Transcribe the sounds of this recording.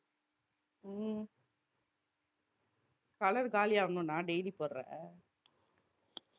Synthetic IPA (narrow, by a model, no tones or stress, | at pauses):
kɐlɐɾɡaːlɪjaːɐnõnãːɖɛjlipoːɾɾɛ̰̃